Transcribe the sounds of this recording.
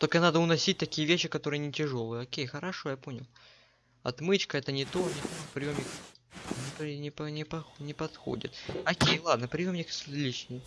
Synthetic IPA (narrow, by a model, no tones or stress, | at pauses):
t̪o̞lʲkənad̪əʊnɐsʲit̚ʲt̪ɐkʲijəvʲeɕːɪkɐt̪o̞ɾɨjənʲɪtʲɪʐo̞lˠɨjəokʲejxəɾɐʂo̞japo̞nʲɪlˠ | ɐ̰t̪mɨt͡ɕkəɛt̪ənʲɪt̪o̞nʲɪt̪opɾʲɪjo̞mnʲɪknʲɪpnʲɪpɐnʲɪpɐxnʲɪpɐt̪xo̰dʲɪ̰t̪ɐkʲejlˠad̪nəpɾʲɪjo̞mnʲɪksʲɪlʲit͡ɕnʲɪj